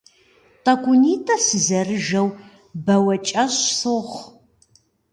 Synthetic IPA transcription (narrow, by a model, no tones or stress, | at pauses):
tɐkʷʊniːtʼɐsɨzɐrɨʒɐw | bɐwɐt͡ʃʼɐɕsoʁʷ